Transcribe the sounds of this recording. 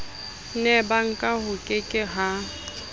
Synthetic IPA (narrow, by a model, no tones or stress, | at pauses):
nɛbaŋ̩kʼahʊkʼɪkʼɪɦa